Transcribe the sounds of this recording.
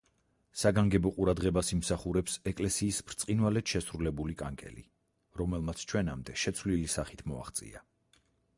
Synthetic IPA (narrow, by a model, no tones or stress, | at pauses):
saɡaŋɡɛbɔqʼuɾad̪ʁɛbasimsaχuɾɛpsɛkʼlɛsiːsbɾt̪sʼqʼinwalɛt̪ʃɛsɾulɛbulikʼaŋkʼɛ̰lḭ | ɾɔmɛlˠmat̪sʰt͡ʃʰwɛnamd̪ɛʃɛt̪sʰvlilisaχit̪ʰmɔa̰χt̪sʼḭa